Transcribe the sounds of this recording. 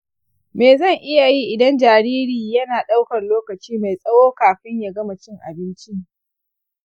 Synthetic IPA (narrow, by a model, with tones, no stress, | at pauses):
meː˨zɐ˦˨ŋʔɪ˦ja˨ji˦ʔɪ˨dɐ˦nd͡ʒaː˨ɾiː˦ɾiː˨jɐ˦naː˨ɗa˦wkɐ˨nloː˦kɐ˨t͡ʃiː˦ma˨jsʼɐ˦woː˦kaː˨ɸɪ˦ɲja˨ɡɐ˦ma˨t͡ʃɪ˦ŋʔa̰˨bɪ˦nt͡ʃi˦